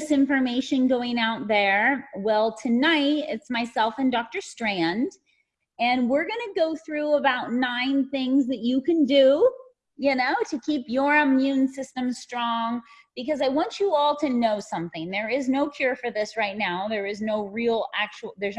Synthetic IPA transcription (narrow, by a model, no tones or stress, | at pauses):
sɪ̃ɱfə˞meɪʃɨ̃nɡoʊɪ̃ŋaʊt̪̚ðə˞wɛlˠtʰɨnaɪtɪ̰tsmaɪsɛlˠfɨ̃ndɔk̚tə˞stɹ̥æ̃nd | ɨ̃nwɪɹɡʌnɨɡoʊθɹuəbaʊtⁿnãɪ̃nθɪ̃ŋzðɨt͡ʃɨkɨ̃ndu | jɨnoʊɾɨkʰipjə˞əmjʉ̃nsɪstɨ̃mstɹ̥ɔ̃ŋ | b̥ɨkʌzaɪwɑ̃nt͡ʃɨɔlˠtʰɨnoʊsʌ̃mθɪ̃ŋðə˞ɪznoʊkʰj̥ʊɹfə˞ðɪsɹaɪtⁿnaʊðə˞ɨznoʊɹilˠæk̚t͡ʃuw̩ˠðə˞z